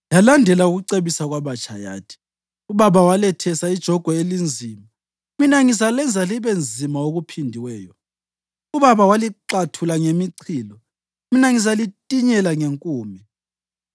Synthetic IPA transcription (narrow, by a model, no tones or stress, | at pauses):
jalandʱɛlauɣuǀeβisaɣwaβat͡ʃʼaja̰ːtʰi̥ | uβaβawalɛtʰɛsaid̥ʒ̥ʱɔɡ̥ʱɔelind͡zʱima | minaŋizalɛnd͡zʱaliβend͡zʱimaoɣupʰindʱiwɛːjɔ | uβaβawaliǃatʰulaŋemiǀʰiːlɔ | minaŋizalitʼiɲɛlaŋeŋkʼuːmi